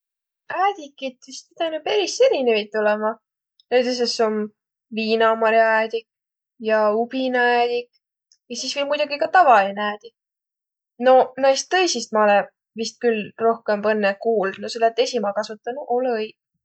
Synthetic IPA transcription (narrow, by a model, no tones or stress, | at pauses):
æːd̪̥ʲikːˑit̪vist̪it̪ɑjnupeɾisːeɾinevit̪̚t̪ːulemɑ | nejd̪es̬esom | viːnɑmɑɾjæːd̪ik | jɑub̥inæːd̪̥ʲik | jɑsisvilmujd̪uɡikɑt̪ɑvɑlineæːd̪ik | no̞nɑjst̪ːɤjsist̪̚mɑole | vist̪̚kylro̞hkempɑnːekuːld̪noselːɑt̪ːˑesʲimɑkɑsut̪ːˑɑnuʔolj